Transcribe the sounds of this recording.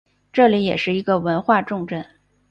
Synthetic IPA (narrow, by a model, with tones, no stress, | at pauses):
ʈ͡ʂɤ˥˩li˧˥jɛ̰˨˩ʂɻ̩˥˩i˧˥ɡə˧wə˧˥nxwa˥˧ʈ͡ʂʊ˥˧ŋʈ͡ʂə˥˩n